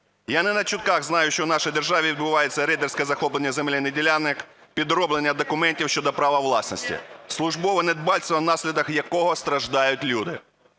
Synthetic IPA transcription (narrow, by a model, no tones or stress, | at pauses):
janɛnɐt͡ʃʊt̪̚kɑɣznɑjʊʃt͡ʃɔwnɑʃɔjd̪erʒɑʋʲiʋʲɪd̪bʊʋɑjet͡sʲːɐɾɛd̪ersʲkɛzɐxɔplˠenʲːɐzemlʲɪnedʲilʲanːɪk | pʲid̪ɾɔblˠenʲːɐd̪ɔkʊmɛnʲtʲiwʃʲt͡ʃɔd̪ɔpɾɑʋɐʋlˠɑsnɔsʲtʲḭslˠʊʒbɔʋɔned̪bɑlʲsʲt̪ʋɐnɑsʲlʲid̪ɐxjɐkɔɦɔst̪ɾɐʒd̪ɑjʊtʲlʲud̪ɪ̰